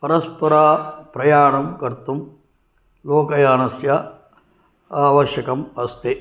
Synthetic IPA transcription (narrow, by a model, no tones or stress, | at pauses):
pɐɾɐspɐɾaːpɾɐjaːɳɐmkɐɾt̪um | loːkɐjaːnɐsjɐ | aːʋɐʃjɐkɐmɐst̪e